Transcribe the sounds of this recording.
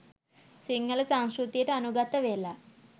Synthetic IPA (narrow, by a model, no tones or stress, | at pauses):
siŋːələsãŋskɾut̪ijəʈəanuɡat̪əʋela